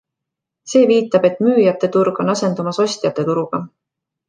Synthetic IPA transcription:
se̞ːviːt̪ːˑɑb̥e̞t̪ˑmyːjɑt̪ːˑe̞t̪uɾɡ̥o̞nɑse̞nd̪umɑso̞sʲt̪jɑt̪ːˑe̞t̪uɾuɡ̥ɑ

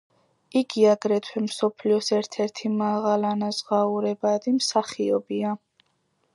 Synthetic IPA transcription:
iɡiaɡɾɛt̪ʰwɛmsɔpʰliɔsɛɾt̪ʰɛɾt̪ʰimaʁalanazʁauɾɛbad̪imsaχiɔbia

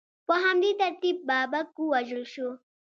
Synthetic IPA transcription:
poɦamd̪it̪ɐɾt̪ib̚ːaːbɐkːuwɐʒəlʃo

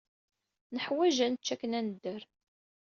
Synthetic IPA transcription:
nəħwæʒænət͡ʃːækːənænəd̪ːəɾ

